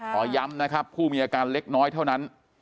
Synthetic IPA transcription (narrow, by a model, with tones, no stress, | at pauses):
ʔɔː˨˩˦ja˦˥mna˦˥kʰɾa˦˥pʰːuː˥˩miː˧ʔaː˧kaː˧nle˦˥k̚nɔː˦˥jt̪ʰa˥˩wna˦˥n